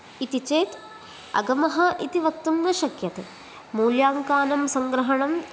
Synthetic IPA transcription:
it̪it͡ʃeːt̪ | ɐ̰ɡɐmɐɦɐʔit̪iʋɐk̚t̪uŋɡɐʃɐkjɐt̪e | muːljaːŋkaːnɐmsɐŋɡɾɐɦɐɳɐm

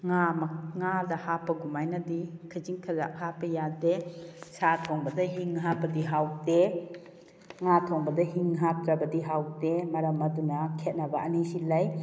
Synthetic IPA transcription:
ŋamɐŋadɐhapːɐɡumajnɐdikʰɯziŋkʰɐla̰k̚hapːɐjadesatʰɔŋbɐdɐɦiŋɦapɐdiɦawde | ŋatʰɔŋbɐdɐɦiŋɦap̚kɾɐbɐdiɦawdemɐɾɐmɐdunɐkʰet̚nɐbɐɐnisilaj

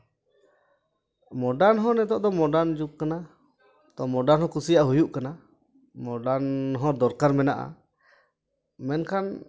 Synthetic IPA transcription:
mɔɖaɾnɦɔ̃nɛt̪ɔʔd̪ɔmɔɖand͡ʒukkːana | t̪ɔmɔɖaɾnhɔ̃kusijaʔɦujuʔkana | mɔɖanɦɔ̃d̪ɔɾkaɾmɛnaʔa̰ | mɛnkʰan

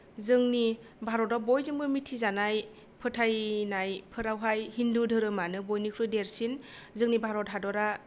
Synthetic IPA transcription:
zɯŋni | bʱaɾɔtɔbɔjzɯŋbɯmitʰːizanaj | pʰɯtʰajnajpʰɯɾawɦajhindudʱɯɾɯmanɯbojnikʰɾɯdeɾsinzɯŋnibʱaɾɔtɦadɔɾa

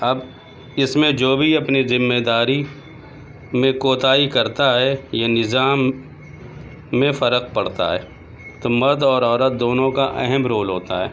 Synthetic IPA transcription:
ɐb | ɪsmẽd͡ʒoːbʱiɐpnizɪmːed̪aːɾi | mẽkoːt̪aːikɐɾt̪aɦɛjenɪzaːm | ẽfɐɾəq̚pɐɽt̪a̰ɦɛ̰ː | t̪oːmɐɾd̪ɔːɾɔːɾət̪̚d̪oːnõkaʔɛɦɛmɾoːlɦoːt̪a̰ɦɛ̰ː

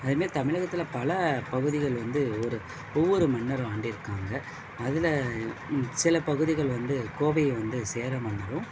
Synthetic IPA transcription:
ɐðɯmeːɾt̪ɐmɪɻɐɣɐt̪ːɪlɐpɐlɐpɐɣɯðɪɣɐɭʋɐnd̪ɯɔɾɯ | ɔʋːɔɾɯmɐnːɐɾɯ̃aːɳɖɪɾɯkːaːŋɡɐː | ðɪlɐ | sɪlɐpɐɣɯðɪɣɐɭʋɐnd̪ɯkoːʋɐjʋɐnd̪ɯseːɾɐmɐɳːɐɾɯ̃

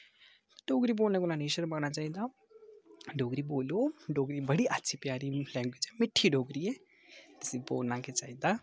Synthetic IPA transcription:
ɖoːɡɾiboːlnekolãneːʃəɾbaːnat͡ʃaːɦĩd̪a | ɖʱoːɡɾiboːloɖʱoːɡɾibɐɽiʔɐtːʃʰipjaːɾilɛ̃ːŋɡwed͡ʒɦɛmɪʈʰːiɖʱoːɡɾiɦɛ | t̪ɪsiboːlnãkʰet͡ʃaːɦid̪a

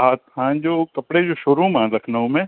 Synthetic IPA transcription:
aːt̪ɦãd͡ʒoːkɐpɽed͡ʒoːʃʊɾũmãɾɐkʰnəɦõmẽ

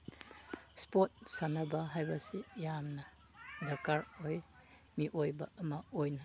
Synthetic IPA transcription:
spot̚sanɐbɐɦajbɐsijamnɐ | dɐkaɾoj | miʔojbɐ̰ɐmɐojnɐ

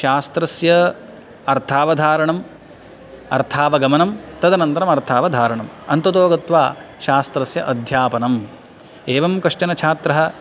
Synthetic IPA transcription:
ʃaːst̪ɾɐsjɐ | ɐɾt̪ʰaːʋɐd̪ʱaːɾɐɳɐm | ɐ̰ɾt̪ʰaːʋɐɡɐmɐnɐmt̪ɐd̪ɐnɐnt̪ɐɾɐmɐɾt̪ʰaːʋɐd̪ʱaːɾɐɳɐmɐnt̪ɐt̪oːɡɐt̪ʋaː | ʃaːst̪ɾɐsjɐʔɐd̪ʱjaːpɐnɐm | eːʋɐmkɐʂt͡ʃɐnɐt͡ʃʰaːt̪ɾɐɦɐ̆

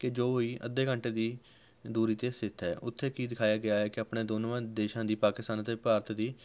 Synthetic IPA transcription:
kɪd͡ʒoːɦoːiːʔəd̪ːeːkəɳʈeːd̪iː | d̪uːɾiːt̪eːsɪt̪ʰɦɛːʔʊt̪ʰːeːkiːd̪ɪkʰaːjaːɡɪjaːɦɛːkɪaːpɳeːd̪oːnʋãːd̪eːʃãːd̪iːpaːkɪst̪aːnət̪eːpaːɾt̪d̪iː

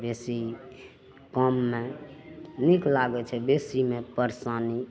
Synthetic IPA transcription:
besi | kəmːe | niklaɡɛt͡ʃʰɛbesimepəɾsani

